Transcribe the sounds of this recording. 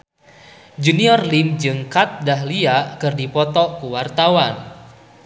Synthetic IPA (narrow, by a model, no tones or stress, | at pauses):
d͡ʒuniɔrlimd͡ʒɨŋkat̪̚dahliaʔkɨrdipɔt̪ɔkuwart̪awan